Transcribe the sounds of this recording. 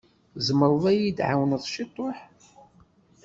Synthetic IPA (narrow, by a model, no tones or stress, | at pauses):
zəməɾˤðˤæjid̪ʕa̰wnəðˤʃit̪ˤːoħ